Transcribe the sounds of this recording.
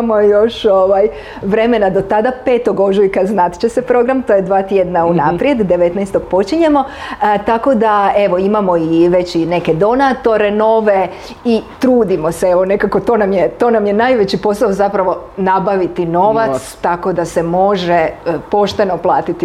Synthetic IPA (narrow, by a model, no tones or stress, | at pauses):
mojo̞ʃoʋaj | ʋɾe̞me̞nad̪o̞t̪ad̪ape̞ːt̪o̞ɡo̞ʒujkaznat̪t͡ɕese̞pɾo̞ɡɾamt̪o̞jed̪ʋaːt̪jed̪naunapɾje̞d̪d̪eʋe̞t̪nɛjst̪oɡ̥po̞t͡ɕiɲe̞mo̞t̪ako̞d̪ae̞ʋo̞imamo̞iʋe̞t͡ɕine̞ked̪o̞nat̪o̞ɾe̞no̞ʋe̞ | it̪ɾuːd̪imo̞seeʋo̞ne̞kako̞t̪o̞ːnamjet̪o̞ːnamjenajʋet͡ɕipo̞saozapɾaʋo̞nabaʋit̪ino̞ʋat̪st̪ako̞d̪ase̞mo̞ʒepo̞ʃt̪eno̞plˠaːt̪it̪i